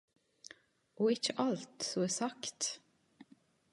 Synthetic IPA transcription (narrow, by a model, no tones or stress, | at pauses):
ɔːɪçəʔɑlt̪sɔɛːsɑkt̪